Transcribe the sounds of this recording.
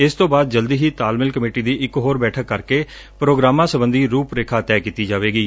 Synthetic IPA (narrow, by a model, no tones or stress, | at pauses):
ɪst̪õːbaːd̪̚d͡ʒəld̪iːɦiːt̪aːlmɪlkəmeːʈiːd̪iːʔɪkɦoːɾbɛːʈʰəkːəɾkeː | pɾoːɡɾaːmãːsəbənd̪iːɾuːpɾeːkʰaːt̪ɛːkiːt̪iːd͡ʒaːʋeːɡiː